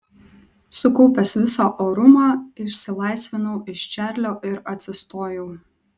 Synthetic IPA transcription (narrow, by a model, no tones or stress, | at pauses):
sʊkɔʊpʲɛsʋʲɪsoːʔoːɾʊmɑːɪʃʲsʲɪlˠɐˑɪsʲʋʲɪnoʊɪʃt͡ʃʲæːˑɾʲlʲoːʔɪɾɐt̪ʲsʲɪst̪oːjɛʊ